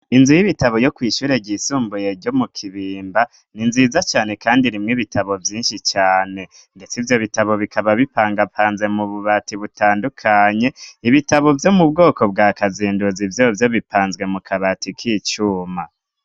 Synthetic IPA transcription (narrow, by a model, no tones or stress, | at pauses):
inzujiβitaβo̞jo̞kwiːʃuːɾe̞ɟiːsuːmbuje̞ɾɟomukʰiβiːmba | ninzizat͡ʃaːne̞kaːndiɾimŋiβitʰaβo̞vjiːnʃit͡ʃaːne̞ | nde̞t͡sivjo̞βitaβo̞βikʰaβaβipaːŋɡapʰaːnze̞muβuβatiβutaːndukʰaɲe̞iβitaβo̞vjo̞mub̚ɡo̞ːko̞bɡaːkaziːnduzivjovjo̞βipʰaːnzɡwe̞mukʰaβatikʰiːt͡ʃuːma